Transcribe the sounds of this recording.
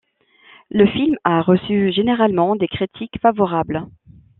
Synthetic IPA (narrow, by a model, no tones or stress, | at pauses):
ləfilmaʁəsyʒeneʁalmɑ̃d̪ekχit̪ʰikfavɔʁabl